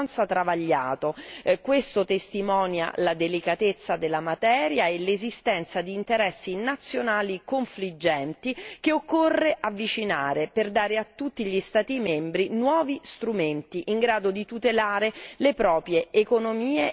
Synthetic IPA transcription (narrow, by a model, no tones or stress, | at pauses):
nt̪sat̪ɾavaʎːa̰ːt̪okwest̪ot̪est̪imɔːnja̰lad̪elikat̪et̪sːad̪elːamat̪ɛːɾjaelezist̪ɛnt̪sad̪iːnt̪eɾɛsːinat̪sjonaːlikoɱflid͡ʒːɛnt̪ikeokːorːeʔavːit͡ʃinaːɾeperd̪aːɾeat̪ːut̪ːiʎist̪aːt̪imembɾinwɔːvist̪ɾument̪iʔiŋɡɾaːd̪od̪it̪ut̪elaːɾelepɾɔːpɾjeːkonomiːe